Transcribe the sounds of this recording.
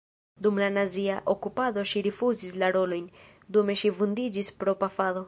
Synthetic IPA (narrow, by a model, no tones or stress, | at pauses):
dumlanaziaʔokupado̞ʃiɾifuzislaɾo̞lo̞jn | dume̞ʃivundid͡ʒispɾo̞pafado̞